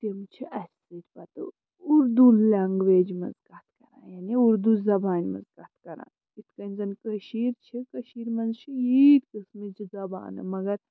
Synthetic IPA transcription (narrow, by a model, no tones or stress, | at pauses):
seːmt͡ʃʰiʔɐs | it̪bɐt̪ɨ | uɾd̪ulaːŋɡʋeːd͡ʒmɐ̰zɡaːt̪kɐɾãːjaniuɾd̪uzɐbaːnʲmɐ̰zɡaːt̪ʰkɐɾa̰ː | it̪kɐnzɐnkɐʃiːɾt͡ʃʰikɐʃiːɾmɐnzt͡ʃʰijit̪kɨsmid͡ʒizɐba̰ːnɨ̰mɐɡɐɾ